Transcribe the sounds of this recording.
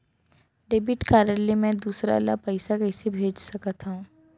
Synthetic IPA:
ɖeːbɪʈkaːɾjəlemɛ̃d̪uːsɾa̰lapəɪsakɛɪsebʱeːd͡ʒsɐkat̪aũː

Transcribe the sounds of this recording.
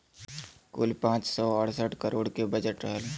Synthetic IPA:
kʊ̰lpãːt͡ʃsɔəɽsəʈʰkəɾoːɽkebɐd͡ʒəʈɾɛɦl

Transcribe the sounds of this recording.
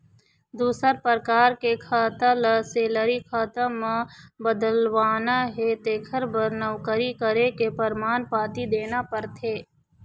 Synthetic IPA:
d̪uːsəɾpəɾkaːɾkekʰaːt̪əlseːləɾikʰaːt̪əmbəd̪əlʋaːnaɦet̪eːkʰəɾbəɾnəwkəɾikəɾekepəɾmaːnpaːt̪id̪eːnapəɾt̪ʰeː

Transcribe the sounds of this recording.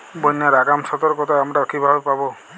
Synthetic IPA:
bɔjnaɾaɡamsɔt̪ɔɾkɔt̪ʰaamʈaɔkʰibʱabepabɔ

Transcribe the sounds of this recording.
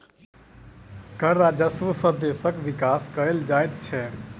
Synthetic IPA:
kəɾːad͡ʒəsʋəsəd̪esəkʋikaskəɾeld͡ʒajt̪t͡ʃʰɛ

